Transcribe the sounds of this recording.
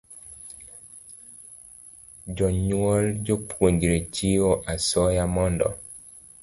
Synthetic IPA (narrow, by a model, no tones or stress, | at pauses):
d͡ʒɔɲuwɔld͡ʒopʰwoɲd͡ʒɾet͡ʃiwoʔasɔjamɔndɔ̰